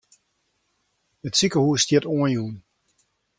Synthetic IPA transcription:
ətsikəhuːstjɪtuənjuən

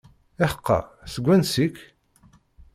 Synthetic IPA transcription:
ɪħə̥qːɑ̰səɡʷːænsik

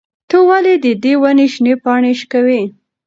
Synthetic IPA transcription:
t̪əwaled̪əd̪ewaneʃnepɑɳeʃkawi

